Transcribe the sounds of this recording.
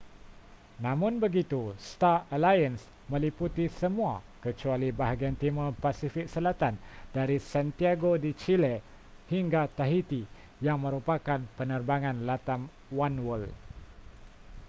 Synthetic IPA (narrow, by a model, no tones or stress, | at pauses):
nãmʊ̃nbəɡit̪ust̪aəlajəns | mə̃liput̪isəmũakət͡ʃualibaɦaɡiant̪iməpasifɪk̚səlat̪andaɾisant̪iaɡodit͡ʃile | hiŋɡat̪aɦit̪i | jaŋmə̃ɾupakanpənərbaŋãnlat̪am | wanwəl